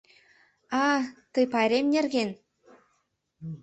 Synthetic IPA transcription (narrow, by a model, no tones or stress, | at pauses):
ɑt̪ɤpɑɾʲemnʲĕrɣʲen